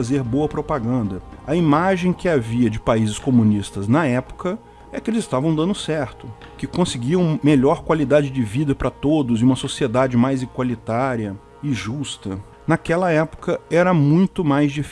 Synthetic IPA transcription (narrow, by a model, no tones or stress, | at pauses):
zeɾboɐpɾopaɡɐ̃nd̪ɐɐimaʒẽj̃kɪaviɐd͡ʒɪpaizɪskomũnist̪ɐznɐɛpʊ̥kɐ | ɛkɪelɪzɪst̪avɐ̃w̃d̪ɐ̃nd̪ʊsɛɾt̪ʊ | kɪkõsɪɡiɐũmmeʎɔɾkwalid̪ad͡ʒɪd͡ʒɪvid̪ɐpɾɐt̪od̪ʊzɪũmɐsosied̪ad͡ʒɪmajziɡwalit̪aɾiɐ | ɪʒust̪ɐ | nakɛlɐɛpʊ̥kɐɛɾɐmũj̃t̪ʊmajzd͡ʒif